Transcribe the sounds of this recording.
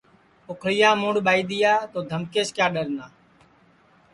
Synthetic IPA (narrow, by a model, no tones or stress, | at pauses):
ʊkʰɽɪjãːmũːɳɽɓaːiːɗ̪ɪjaːt̪oːd̪ʱəmkeːʃkjaːɗəɾnaː